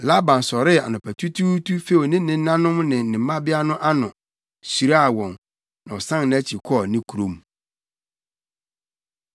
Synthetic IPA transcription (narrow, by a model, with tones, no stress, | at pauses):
la˦bã˨n˨sɔ˨ɾɪ˦a̰˨nʊ̃˨pʰæ˨tʰu˦tʰu˦tʰu˦fe˦˨nɪ̃˦nɪ̃˦nã˦nʊ̃˦mnɪ̃˨nɪ̃˨mːã˦bɪ˦a˦nʊ̃˦ʔa˦nʊ̃˨ | si˨ɾa˦a˨wɔ̃˨n | nã˨ɔ˨sã˦n˨ñ˨æ˦t͡ɕʰi˨kʰɔ˦˨nɪ̃˦kʰu˨ɾõ˦m